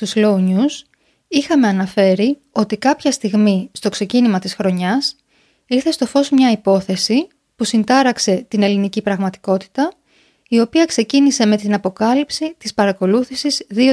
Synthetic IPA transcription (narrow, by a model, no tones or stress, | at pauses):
t̪uzlo̞ɲus | ixɐme̞ɐnɐfe̞ɾi | o̞t̪ikɐpçɐst̪iɣmist̪o̞kse̞cinimɐt̪isxɾo̞ɲɐs | iɾθe̞st̪o̞fo̞zmɲɐipo̞θe̞si | pusind̪ɐɾɐkse̞t̪ine̞linicipɾɐɣmɐt̪i̥ko̞t̪i̥t̪ɐ | io̞piɐkse̞cinise̞me̞t̪inɐpo̞kɐlipsit̪ispɐɾɐko̞luθisizðio